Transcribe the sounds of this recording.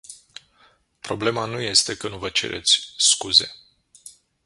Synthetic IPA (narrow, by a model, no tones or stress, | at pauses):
pɾo̞ble̞manuje̞st̪e̞kənuvət͡ʃe̞̰ɾʔe̞̰t̪sʲskuze̞